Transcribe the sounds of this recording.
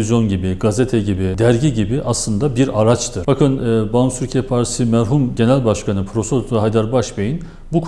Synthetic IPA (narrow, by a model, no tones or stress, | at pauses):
izjo̞nɟibiɡazet̪ʰɛɟibid̪æɾɟiɟibiʔaslˠɯnd̪abiɾaɾat͡ʃt̪ʰɯɾb̥akʰɯnɛːbansyɾcʰɛpʰaɾsimæɾɦumɟe̞nælʲbaʃkʰanɯpʰɾo̞sot̪t̪ɦajd̪aɾbaʃbejin | bukʰ